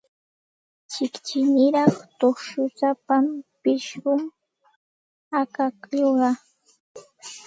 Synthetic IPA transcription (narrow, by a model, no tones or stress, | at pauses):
t͡ʃɪkt͡ʃɪnɪɾɑχt̪oχʃʊsapampɪʃɢʊm | akakʎoɢɑ